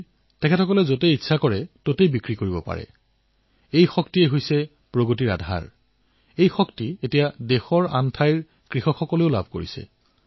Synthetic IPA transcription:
tɛkʰɛtʰɔkɔlɛzot̬ɛitːsʰakɔɹɛtotejbikɹikoɹibɔpa̰ɹɛ̰ | ejxɔktieɦojsɛ | pɹoɡot̬iɹa̰dʱa̰ɹ | ejxɔktietijadexɔɹantʰajɹ | kɹixɔkʰxɔkɔleʊla̰bʱkoɹḭsɛ̰

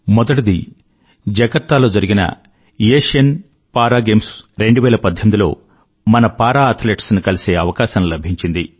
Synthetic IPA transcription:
mɔd̪ɐʈid̪i | d͡ʒɐɡɐɾt̪aːlo̞ːd͡ʒɐɾiɡinɐ̰ | jeːʂɐn | paːɾaːɡe̞ːmsɾe̞ɳɖuʋɛːlɐpɐd̪ʱjɐmid̪ilo̞̰ː | mɐnɐpaːɾaːɐt̪ʰleːʈsnikɐlise̞ːɐʋɐkaːsɐmlɐbʱiɲt͡ʃind̪i

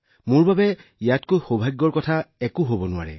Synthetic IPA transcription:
mʊɹbabɛijatkojxobʱaɡːɔɹkɔtʰaɛkʊɦobɔnʊwa̰ɹɛ̰

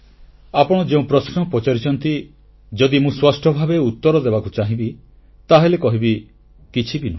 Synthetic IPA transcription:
apɔɽ̃ɔd͡ʒeũpɾɔsnɔpɔt͡ʃaɾit͡ʃʰɔnt̪i | d͡ʒɔd̪imũswasʈɔbʱabeut̪ːɔɾɔd̪ebakut͡ʃaɦĩbi | t̪aɦelekɔɦibi | kit͡ʃʰibinu

